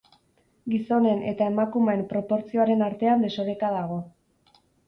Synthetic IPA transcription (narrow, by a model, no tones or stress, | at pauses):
ɡiso̞ne̞ne̞t̪ae̞makumeːmpɾo̞po̞ɾt͡sio̞aɾe̞naɾt̪e̞and̪e̞so̞ɾe̞kaðaɣ̞o̞